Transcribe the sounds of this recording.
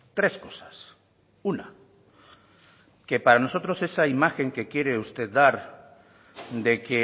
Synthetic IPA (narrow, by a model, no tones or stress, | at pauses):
t̪ɾe̞sko̞sḁs | una | ke̞paɾano̞so̞t̪ɾo̞se̞saimaxe̞ŋke̞kje̞ɾe̞ust̪e̞ðd̪aɾ | d̪e̞ke